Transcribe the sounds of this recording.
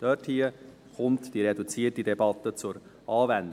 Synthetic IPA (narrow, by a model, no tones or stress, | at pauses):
d̥œthiə | χʊmtd̥iɾɛdut͡siətidɛbɑt̪ːət͡sʊɾʔɑːvænd